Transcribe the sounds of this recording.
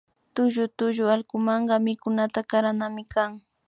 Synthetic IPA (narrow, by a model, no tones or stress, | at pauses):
t̪ʊʒʊt̪ʊʒʊalkʊmɑɴɢɑmɪkʊnat̪akaɾanamɪkaŋ